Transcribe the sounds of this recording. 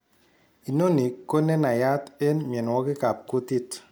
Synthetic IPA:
i˨no˦ni˨kːo˦ne˦na˨ja˦te˦nm˨ɛ˨n˨wɔ˦kɪ˦ka˨p̚ko˦ti˦t

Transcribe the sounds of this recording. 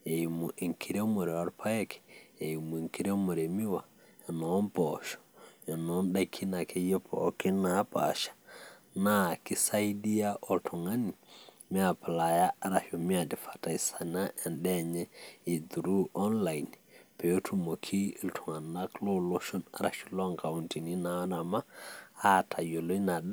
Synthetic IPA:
e˨ji˨mu˨ʔi˨ŋkʰi˨ɾe˦mo˨ɾɛ˨a˦ɾpʰa˦jɛ˦kʰɛ̥˨e˨ji˨mu˨i˨ŋki˦ɾe˦mo˨ɾe˨mi˦wa˨ | ɛ˨nɔ˨˦npɔ˨ʃɔ̥˨ɛ˨nɔ˨˦nɗa˦kʰi˦na˨kʰe˦jɛ˦pʰɔ̰˨˦ki˦na˦pa̰˨ʃḁ˨ | na˦ki˦sa˦i˦di˦ja˦ʔɔ˨ltʰu˨ŋa˦ni˨ | mi˦a˨pla˨ja˦a˦ɾa˨ʃɔ˨mi˦a˨di˨fḁ˨ta˨i˨sa˨na˦ʔɛ˨nɗɛ˦ɲɛ˦i˨d̪u˨ɾu˦ʔɔ˦nla˨jn | pɛ˨o˦tʰu˦mo˨kʰi˦˨ltʰu˨ŋa˨nːa˦klo˦lo˦ʃɔ˦na̰˦ɾa̰˨ʃu˦lɔ˦ŋka˨u˨nti˨ni˦na˨˦na˨maː˦˨ | tʰa˨jo˨lo˦na˨ɗ

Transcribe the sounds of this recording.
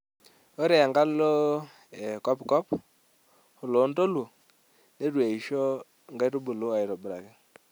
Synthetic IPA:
o˦ɾɛ˨ŋɡa˦lo˦ | ɛ˨kɔ˦pkɔ˦p | ʊ˨lo˨˦ndo˦lu˨ | ne˦ɾwe˨i˨ʃo˦ | ŋɡa˦jɾu˦bu˨lu˦a˨ɪ˨ɾɔ˨bʊ˨ɾa̰˨kɪ˦

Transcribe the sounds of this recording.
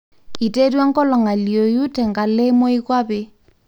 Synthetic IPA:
i˨te˦ɾwa˦ŋkɔ˦lɔ˨ŋa˨ljo˨ju˦tɛ˨ŋka˨le˦mo˦i˦kwa˦bɛ˦

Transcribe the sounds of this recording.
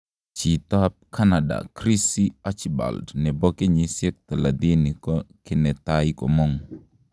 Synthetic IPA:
t͡ʃi˨t̪a˦p̚kʰa˦nada̰˨kɾi˦si˦a˦t͡ʃiba̰˨ldnɛ˨bɔ˦kɪ˦ɲi˨sjɛ˦k̚t̪a˨la˨d̪i˦ni˨kɔkɪ˦nɛ˨t̪ajkɔ̰˨mɔ˦ŋ

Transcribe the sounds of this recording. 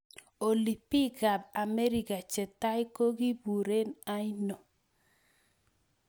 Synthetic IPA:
o˨li˨pi˦ɡa˨ba˨me˦ɾi˨ka˨t͡ʃɛ˨ta˦jko˦ɡi˦bu˨ɾe˦na˦i˦no˨

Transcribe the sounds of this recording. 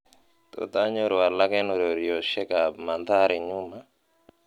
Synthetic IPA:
t̪o̰˨t̪a˦ɲo˦ɾɔ˨wa˨la˦kɛ˦no˨ɾo˨ɾi˨jɔ˨ʃɛ˦ka˨ma˨nd̪a˦ɾi˨ɲu˦ma˨

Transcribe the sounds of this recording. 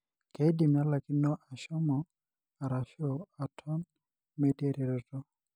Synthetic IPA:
ke˨˦di˨m˨a˦la˨ki˦nːɔ˦ʔa˨ʃɔ˦mɔ˨ | a˨ɾa˨ʃo˨a˨tʰɔ˦n | me˦te˦ɾe˨ɾɔ˨tɔ˦

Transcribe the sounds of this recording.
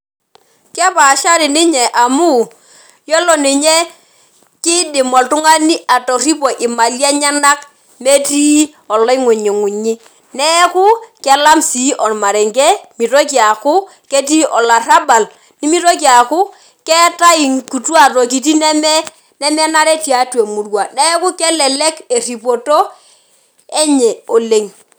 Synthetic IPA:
kɛ˦pa˨ʃa˦ɾɪ˨nɪ˦ɲɛ˨ʔa˨mu˦˨ | jɔ˦lɔ˨nɪ˨ɲɛ˦ | kɪ˦dɪ˨mɔ˨ltʊ˦ŋa˦ni˦a˨tɔ˨ri˦pɔ˨ʔɪ˨ma˨lja˦ɲa˦na˦k̚ | me˦tiː˦ | ɔ˨lɔ˦i˦ŋʊ˨ɲi˨ŋʊ˨ɲɪ˦ | nɛ˦kʊ˦kɛ˨la˦msi˨˦ʔɔ˨n˨ma˨ɾɛ˨ŋɡɛ˦mi˨to˦ki˦a˨kʊ˦ | ke˦ti˦ʔɔ˨la˨ra˦ba˨l | ni˦mi˦to˦ki˦a˨kʊ˦ | kɛ˦ta˦i˨ŋku˨twa˦˨to˨ki˨t̬i˦nɛ˦mɛ˦ | nɛ˦mɛ˦na˦ɾɛ˦tja˨twe˨mu˨rwa˨nɛ˦ku˦kɛ˦lɛ˨lɛ˦ke˨ri˨po˨to˦ | ɛ˦ɲɛ˨o˨le˨ŋ

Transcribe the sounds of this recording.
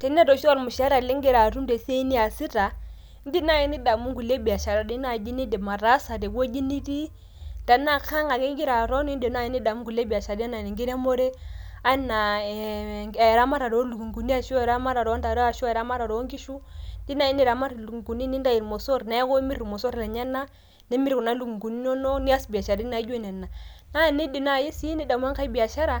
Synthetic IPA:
te˨n˦e˦do˨ʃu˦wa˦˨ɾmu˨ʃa˦ɾa˨li˦ŋɡe˦ɾa˨ɾu˦mde˨se˦i˦ni˦a˨si˦ta˨˦ | n̩˦di˦na˦˨i˦ni˦da˨mu˦ŋɡu˨le˦bi˨ja˨ʃa˨ɾa˨di˦na˦˨d͡ʒi˦ni˦de˨ma˨ɾa˦sa˨de˨ɡo˦d͡ʒi˦ni˦di˦ | da˨˦na˦ka˦ŋa˨ɡi˦ŋɡi˦ɾa˨ɾo˦ni˦n˦de˨˦n˦a˦˨i˦ni˦da˨mu˦ŋɡu˨le˦bi˨a˨ʃa˨di˦a˦na˨ni˨ŋɡi˦ɾa˦mo˦ɾe˦ | a˦na˨ | ɾa˦ma˦ɾa˨ɾo˨˦lu˨ɡu˨ŋɡu˨ni˦a˨ʃu˦˨ɾa˦ma˦ɾa˨ɾo˦nda˨ɾo˦a˨ʃu˦˨ɾa˦ma˦ɾa˨ɾo˨˦ŋki˦ʃu˦di˦na˦˨i˦ni˦˨ɾa˨ma˦ɾlu˨ɡɡu˨ni˦ni˦nda˦ji˨ɾmo˨so˦ɾna˨˦ɡo˦mi˦ɾi˨mo˨so˦ɾla˨ɲa˦nːa˦ | ni˦mi˦ɾku˨na˦lu˨ɡu˨ŋɡu˨ni˦n˦o˦no˦ni˦a˦sbi˨a˨ʃa˨ɾi˦na˨˦d͡ʒne˨nːa˨na˦˨ni˦di˨na˨ji˦si˦i˦ni˦da˨m˦a˦ŋka˦bi˨a˨ʃa˦ɾa˨

